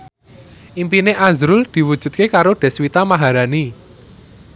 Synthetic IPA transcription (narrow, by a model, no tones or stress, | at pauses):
ʔimpineʔazɾʊld̪̥i̤wud̥ʒ̥ṳt̪̚kekaɾoɖ̪̥ɛ̤swit̪amaɦaɾani